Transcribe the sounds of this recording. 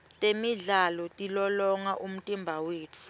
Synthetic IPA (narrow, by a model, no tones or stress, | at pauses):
tʼemiɮalɔtʼilɔlɔŋaʔum̩tʼimbʱaweːt͡fʰu̥